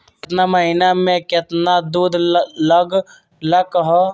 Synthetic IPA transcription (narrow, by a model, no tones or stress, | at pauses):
t̪naməɦɪnamẽkɪt̪nad̪uːd̪ʱləɡ | ləkɦo